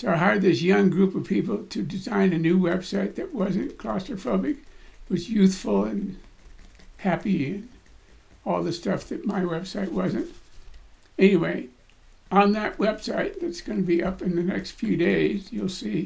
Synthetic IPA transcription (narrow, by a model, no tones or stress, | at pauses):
soʊaɪɦa˞d̪̚ðɪsjʌ̃ŋɡɹupʌv̥pʰipl̩ˠtʰɨdɨzãɪ̃nɨnʉwɛb̥saɪt̪̚ðɨt̚wʌzɨ̃nkʰl̥ɑstə˞fʌbɨkwʌzjʉθfl̩ˠə̃n | hæpiɨ̃n | ɔlˠðɨstʌfðɨt̚maɪwɛb̥saɪt̚wʌzɨ̃nt | ɛniweɪ | ə̃nðɨʔ̚wɛb̥saɪt̪̚ðɨtsɡ̥ʌnɨbiʔʌpɨ̃nðɨnɛ̰kstfjʉdeɪzjulˠsi